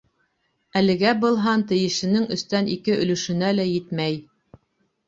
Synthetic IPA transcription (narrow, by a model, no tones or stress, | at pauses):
ælɘ̆ɡæbɤ̆lˠɦɑnt̪ɘ̆jɘ̆ʃɘ̆nɘŋɵ̆st̪ænikɘʔɵ̆lɵ̆ʃɵ̆nælæjɘt̪mæj